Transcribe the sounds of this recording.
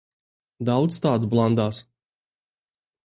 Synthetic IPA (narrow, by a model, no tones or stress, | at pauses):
d̪awt̪st̪aːd̪ublˠand̪aːs